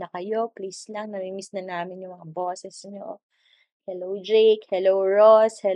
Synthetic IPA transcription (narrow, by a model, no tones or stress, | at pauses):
nɐkɐjo̞plislɐŋnɐmimisnɐnaːmɪnjʊŋmɐŋaboːsɛsɲo̰ | hɛlowd͡ʒejkhɛlowɹoshɛ